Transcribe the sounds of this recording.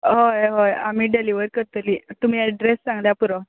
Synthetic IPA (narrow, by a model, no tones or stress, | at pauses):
ɦojɦojamiːɖeliʋəɾkəɾt̪əliːt̪um̤iːəɖɾesːãŋɡljapuɾɔ